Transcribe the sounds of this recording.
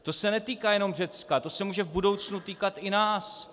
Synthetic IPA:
t̪o̞sɛnɛt̪iːkajɛno̞mr̝ɛt͡skat̪o̞sɛmuːʒɛvbudo̞wt͡snut̪iːkat̪ɪnaːs

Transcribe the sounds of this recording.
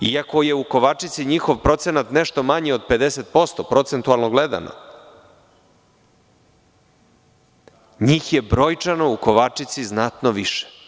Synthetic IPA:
iako̞je̞uko̞ʋat͡ʂit̪siɲixoʋpɾo̞t̪senat̪neʃt̪o̞maɲio̞d̪̚pe̞d̪eset̪̚po̞st̪opɾo̞t̪se̞nt̪ualˠnoɡled̪a̰na̰ | ɲiːxje̞bɾo̞jt͡ʂanouko̞ʋat͡ʂit̪siznat̪noʋiʃe̥

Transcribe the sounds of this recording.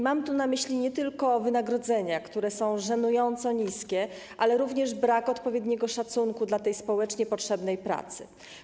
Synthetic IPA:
mamt̪unamɘɕlʲiɲɛt̪ɘlkɔːvɘnaɡɾɔd̪zɛɲakt̪uɾɛsɔ̃w̃ʐɛnujɔnt̪sɔɲiskʲɛ | ʔalɛɾuvɲɛʐbɾakɔt̪pɔvʲjɛd̪ɲɛɡɔʂat̪suŋkud̪lat̪ɛjspɔwɛt͡ʂɲɛpɔtʂɛbnɛjpɾa̰t̪sɘ̥̰

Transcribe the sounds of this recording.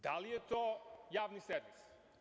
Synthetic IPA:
d̪alijet̪oːjaːʋniseɾʋis

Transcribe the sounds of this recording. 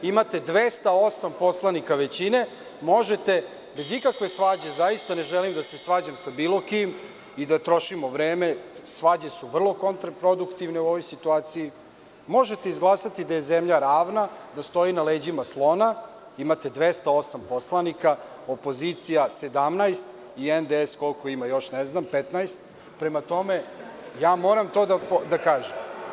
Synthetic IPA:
imat̪e̞d̪ʋest̪ao̞sampo̞slˠanikaʋe̞t͡ɕine̞ | mo̞ʒet̪e̞ | bezikakʋe̞sʋad͡ʑe̞zajist̪ane̞ʒelimd̪asesʋaːd͡ʑamsabiːlo̞kim | id̪at̪ɾo̞ʃimo̞ʋɾeːme̞sʋad͡ʑe̞suʋr̩lˠo̞kont̪ɾapɾod̪ukt̪iʋne̞uo̞ʋo̞jsit̪uaːt̪siji | mo̞ʒet̪eizɡlˠaːsat̪id̪aje̞zemʎaɾaːʋnad̪ast̪o̞inaleːd͡ʑimaslˠo̞na | imat̪e̞d̪ʋest̪ao̞sampo̞slˠanika | opo̞zit̪sijase̞d̪amnajst̪ | iend̪eesko̞lko̞imajo̞ʃneznampet̪najst̪̚ | pɾemat̪o̞me̞jaːmo̞ːɾamt̪o̞ːd̪apod̪akaːʒem

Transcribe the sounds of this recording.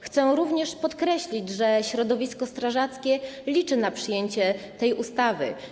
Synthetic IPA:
xt̪sɛɾuvɲɛʂpɔt̪kɾɛɕlʲid͡ʑʐɛɕɾɔd̪ɔvʲiskɔst̪ɾaʐat̪skʲɛlʲit͡ʂɘnapʂɘjeɲt͡ɕɛ | t̪ɛjust̪avɘ̰

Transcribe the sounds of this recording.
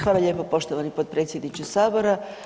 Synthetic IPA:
xʋaːlaʎe̞ːpopo̞ʃt̪oʋanipod̪̚pɾeːt̪sjed̪nit͡ɕusaːboɾa

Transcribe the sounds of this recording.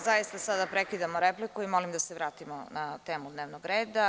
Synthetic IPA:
zajist̪asad̪apɾekid̪amoɾeplikuimo̞limd̪aseʋɾaːt̪imonat̪e̞ːmud̪neʋnoɡɾeːd̪a

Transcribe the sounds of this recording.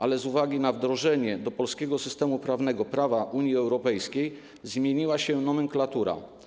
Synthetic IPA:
ʔalɛzuvaɡʲinavd̪ɾɔʐɛɲɛd̪ɔpɔlskʲɛɡɔsɘst̪ɛmupɾavn̪ɛɡɔpɾavaʔuɲjiɛwɾɔpɛjskʲej | zmʲjeɲiwaɕɛnɔmɛŋklat̪uɾa̰

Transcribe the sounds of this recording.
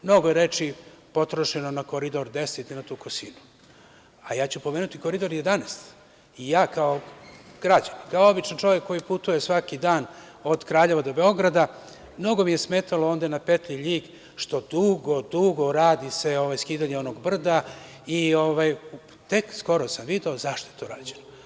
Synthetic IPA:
mno̞ɡojeɾe̞t͡ʃi | po̞t̪ɾoʃenonako̞ɾid̪o̞ɾd̪e̞set̪ninat̪uːkosinu | ajaːt͡ɕupo̞meːnut̪iko̞ɾid̪o̞ɾjed̪aneːst̪ | ijaːkaoɡ̥ɾad͡ʑanikaoo̞bit͡ʃnant͡ʃo̞ʋjekːo̞jiput̪uje̞sʋakid̪aːn | o̞d̪kɾaːʎe̞ʋad̪o̞be̞o̞ɡɾad̪a | mno̞ɡo̞mije̞sme̞ːt̪alo̞ond̪anapet̪liʎiːk | ʃt̪o̞d̪uɡo̞d̪uɡo̞ɾaːd̪ise̞o̞ʋajskiːd̪aɲeo̞no̞ɡbr̩d̪a | ioʋaj | t̪e̞ksko̞ɾosamʋid̪e̞ozaʃt̪ojet̪o̞ːɾaːd͡ʑeno

